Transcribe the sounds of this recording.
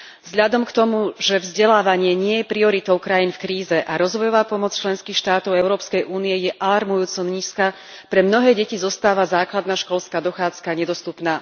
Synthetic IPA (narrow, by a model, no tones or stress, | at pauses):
zɦʎad̪ɔmkt̪ɔmuʒɛvzɟɛlaːʋaɲɪɛɲɪɛjɛpɾiɔɾit̪ɔʊkɾajiːnfkɾiːzɛʔaɾɔzʋɔjɔʋaːpɔmɔt͡st͡ʃlɛnskiːxʃt̪aːt̪ɔʊɛʊɾɔːpskɛjʔuːniɛjɛʔalaɾmujuːt͡sɔmɲiːska | pɾɛmnɔɦɛːɟɛcizɔst̪aːʋazaːklad̪naʃkɔlskad̪ɔxaːt͡skaɲɛd̪ɔst̪upnaː